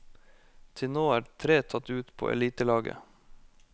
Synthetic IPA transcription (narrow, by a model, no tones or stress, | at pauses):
t̪ʰɪnoːæːt̪ʰɾeːt̪ʰɑt̪ʉːt̪pʰo̰ːʔɛ̰liːt̪əlɑːɡə̰